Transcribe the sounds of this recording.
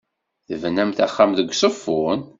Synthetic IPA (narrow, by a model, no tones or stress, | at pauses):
θəvnːæmθæχːamðəɡʷsˤəfːʊn